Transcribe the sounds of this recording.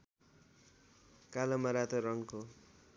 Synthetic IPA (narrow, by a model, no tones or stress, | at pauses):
kalʌmʌɾat̪oɾʌŋko